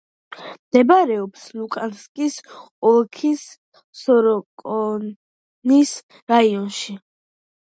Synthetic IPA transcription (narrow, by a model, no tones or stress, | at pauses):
md̪̥ɛbaɾɛɔpslukʼanskʼis | ɔlˠkʰisː | ɔɾɔkʼɔ | nis | ɾaiɔnʃi